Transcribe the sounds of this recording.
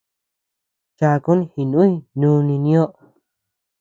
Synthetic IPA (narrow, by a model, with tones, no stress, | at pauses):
t͡ʃa˧ku˦nĩ˦hi˨nũ˦i˦˧nũː˦˧nĩ˧nĩ˦o˦ʔ